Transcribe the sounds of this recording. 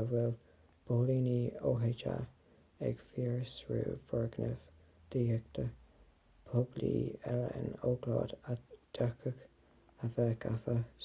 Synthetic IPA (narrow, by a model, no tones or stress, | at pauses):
wɛl | b̥oːliːniːoːɦɛt͡ʃa̰ | ɛ̰ɡ̥fiːɹsɹṵːvəɹɡnəv | d̪̥iːhək̚t̪ʰə | pʰoblḭːɛlə̰ɪ̰noːɡlɑ̰ːd̪ad̪̥akʰək | avɛːkʰafə